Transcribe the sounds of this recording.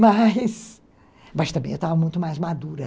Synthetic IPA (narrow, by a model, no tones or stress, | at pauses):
majs | mɐst̪ɐ̃mbẽewt̪avɐmũj̃t̪ʊmajzmad̪uɾɐ